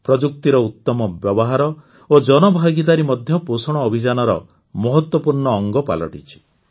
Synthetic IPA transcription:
pɾɔd͡ʒuk̚t̪iɾɔut̪ːɔmɔbjɔbɔɦaɾɔ | od͡ʒɔnɔbʱaɡit̪aɾimɔd̪ʱjɔposɔɽ̃ɔːbʱid͡ʒanɔɾɔ̰ | mɔɦɔt̪wɔpuɾɳɔːŋɡɔpa̰lɔ̰ʈit͡ʃʰi̥

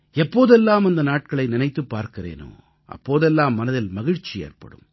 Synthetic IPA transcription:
ɛpːoːðɛlːaːmɐnd̪ɐnaːʈ̚kɐɭɐɪnɪnɐɪt̪ːɯpːaːɾkɪrḛːno̰ː | ʔɐ̰pːoːðɛlːaːmːɐnɐðɪlmɐɣɪɻt͡ʃijḛːrpɐ̰ɽɯ̰m

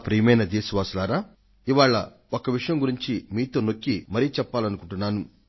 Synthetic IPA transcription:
pɾiːmɐjnɐd̪eːsuʋaːslaːɾaː | iʋaːɭːɐ̰ | okɐʋiʂɐjɐmɡuɾiɲt͡ʃimiːt̪o̞ːnokːimɐɾijt͡ʃɛpːaːlɐnukuɳʈunːaːnu

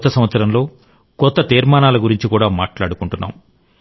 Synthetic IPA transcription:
t̪ːɐsɐmʋɐt̪sɐɾɐmlo̞ː | kɔt̪ːɐt̪iːɾmaːnaːlɐɡuɾiɲt͡ʃikuːɽaːmaːʈla̰ːɽukuɳʈunːa̰ːm

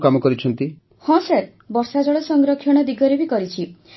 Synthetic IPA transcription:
kamɔkɔɾit͡ʃʰɔnt̪i | hɔ̃seɾ | bɔɾsad͡ʒɔɭɔsɔŋɡɾɔkʰːjɔɽ̃ɔd̪iɡɔɾebikɔɾit͡ʃʰi

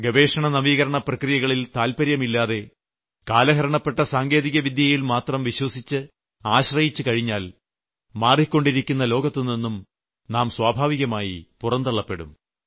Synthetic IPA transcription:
ɡɐʋe̞ːʂɐɳɐnɐʋiːɣɐɾɐɳɐprɐkrijɐɣɐɭilt̪aːlpɐɾjɐmilːaːðe̞ | kaːlɐɦɐɾɐɳɐpːe̞ʈːɐsaːŋɡe̞ːðiɣɐʋid̪jɐjilmaːt̪rɐmʋiɕwɐsit͡ɕːɨ | aːɕrɐjit͡ɕːɨkɐɻiɲːaːl | maːrikʲːo̞ɳɖiɾikʲːunːɐlo̞ːɡɐt̪ːininːum | naːmswaːbʱaːʋiɣɐmaːjipurɐnd̪ɐɭːɐpːe̞ɽṵm

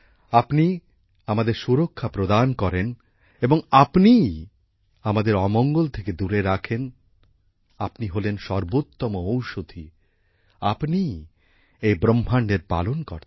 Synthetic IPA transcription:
apni | amad̪eɾʃuɾokʰːapɾod̪ankɔɾen | eboŋapni | amad̪eɾɔmɔŋɡolt̪ʰeked̪uɾeɾakʰen | apniɦolenʃɔɾbot̪ːɔmoowʃod̪ʱi | apni | ejbɾomʱːaɳɖeɾpa̰lonkɔ̰ɾ

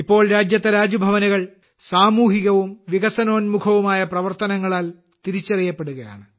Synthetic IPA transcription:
ipːo̞ːɭɾaːd͡ʑjɐt̪ːɐɾaːd͡ʑɐbʱɐʋɐniɣɐɭ | saːmuːɦiɣɐʋumʋiɣɐsɐno̞ːnmukʰɐʋumaːjɐprɐʋɐrt̪ɐnɐŋːɐɭaːl | t̪iɾit͡ɕːɐrijɐpːe̞ɽuɣɐja̰ːɳɨ

